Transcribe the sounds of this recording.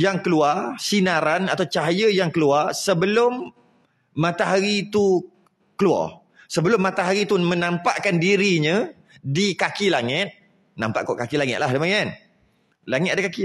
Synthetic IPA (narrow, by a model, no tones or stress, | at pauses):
jaŋkəluarsinaɾanat̪awt͡ʃaɦajəjaŋkəluarsəbəlʊmː | ãt̪aɦaɾit̪u | kəlua̰r | səbəlʊmːat̪aɦaɾit̪umə̃nãmpaʔkandiɾiɲə̃ | dikakilaŋɪt̪̚ | nã̰mpa̰ʔkɔʔkakilaŋɪt̪̚lahdəmaŋan | laŋɪt̪̚adəkaki